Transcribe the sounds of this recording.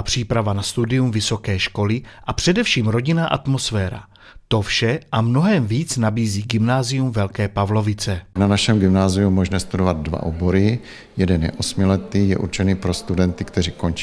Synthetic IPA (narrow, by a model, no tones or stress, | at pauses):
pr̝̥iːpɾavanast̪udɪjumvɪso̞kɛːʃko̞lɪʔapr̝̥ɛdɛfʃiːmɾo̞ɟɪnaʔa̰t̪mo̞sfɛːɾa̰ | t̪o̞fʃɛʔamno̞ɦɛmviːt͡snabiːziːɡɪmnaːzɪjumvɛlkɛːpavlo̞vɪt͡sɛnanaʃɛmɡɪmnaːzɪjumːoʒnɛst̪udovad̪̚dva̰ʔoboɾɪ | jɛdɛnjɛ̰ʔosmɪlɛt̪iːjɛ̰ʔṵɾt͡ʃɛniːpɾo̞st̪udɛnt̪ɪkt̪ɛriːko̞nt͡ʃi